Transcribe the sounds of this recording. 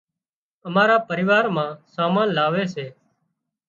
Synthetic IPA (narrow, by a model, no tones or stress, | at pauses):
əmaːɾaːpəɾɪʋaːɾmãːsaːmãːnlaːʋeːseː